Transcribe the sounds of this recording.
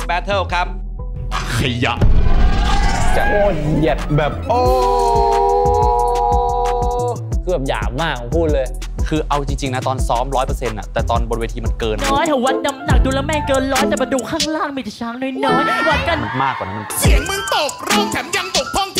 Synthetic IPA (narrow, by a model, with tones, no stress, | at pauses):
bɛ˦˥t̪ʰɤː˥˩kʰɾa˦˥p̚ | kʰa˧˩ja̰˨˩ʔ | t͡ɕa˨˩ʔoː˧˩t̪̚hi˨˩ət̪̚bɛː˨˩p̚ʔoː˧ | kʰɯ˧˩˨mja̰ː˨˩maː˥˩k̚ːpʰuː˥˩t̪̚lɤː˧j | kʰɯː˧ʔa˧wt͡ɕi˧ŋt͡ɕi˧ŋna˦˥t̪ɔː˧nsɔː˦˥mɾɔː˦˥jpɤː˧se˧nʔa̰˨˩t̪ɛː˨˩t̪ɔː˧nbo˧n̚weː˧t̪ʰiː˧ma˧nkɤː˧nnɔː˦˥jt̪ʰa˨˧˩wa˦˥t̪̚na˧mna˨˩k̚duː˧la˧˥mɛː˧˩ŋkɤː˧nlɔː˦˥t̪aː˨˩ba˧duː˧˩kʰːaː˥˩ŋɾaː˥˩ŋmiː˧˩t͡ɕa˨˩t͡ɕʰaː˦˥ŋnɔ˧˥˩jnɔː˦˥jwa˦˥t̪̚ka˧nma˧˩nmaː˥˩k̚ːaː˨˩na˦˥ma˧n˧˩sʰi˨˦əŋma˧˨nt̪o˨˩k̚ɾɯ˧˩əŋt̪ʰɛ˩˦mja˧˥mt̪o˨˩k̚t̪ʰɔ˥˩ŋ